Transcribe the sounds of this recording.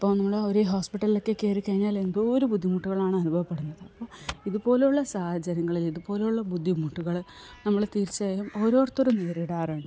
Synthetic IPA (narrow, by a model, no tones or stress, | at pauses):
ɐpːoːnɐmːɐɭoɾeɦo̞ːspiʈːɐlilo̞kːekːeːɾukːɐɻiɲːaːle̞nd̪oːɾubud̪ʱːimuʈːuɣɐɭaːɳɨɐnubʱɐʋɐpːe̞ɽunːɐðɨɐpːoːiðupo̞ːlejuɭːɐsaːhɐd͡ʑɐɾɐŋːɐɭiliðupo̞ːlejuɭːɐbud̪ʱːimuʈːuɣɐɭ | nɐmːɐɭt̪iːɾt͡ɕːɐːjɐmo̞ːɾo̞ːrɐt̪ːoɾumneːɾiɽaːreːɳɖɨ